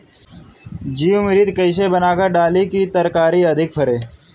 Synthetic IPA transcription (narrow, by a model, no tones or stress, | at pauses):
d͡ʒiːumɪɾiːd̪kəɪs̬ebənaːkəɾɖaːlikit̪əɾkaːɾiɐd̪ʱɪk̚pʰɐɾeː